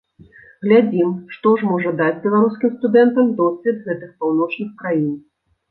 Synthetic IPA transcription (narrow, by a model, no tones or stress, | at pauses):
ɣlʲad͡zʲimʂt̪ɔʐmɔʐɐd̪ad͡zʲbʲɛlˠaɾuskʲimst̪ud̪ɛnt̪ɐmd̪ɔsʲvʲɛd̪ɣɛt̪ɨxpawn̪ɔt͡ʂnɨxkɾajin